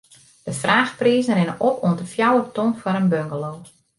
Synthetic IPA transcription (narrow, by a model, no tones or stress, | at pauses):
d̥əfraːxpriːzən̩rɪnəʔɔpʰuəndəfjawətɔnfɔɾənbøŋɡəloː